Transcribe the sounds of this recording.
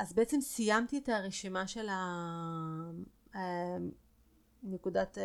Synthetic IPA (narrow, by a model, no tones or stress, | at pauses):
ʔazbeʔet͡se̞msijamt̪ietaʁeʃimaʃe̞la | nekudat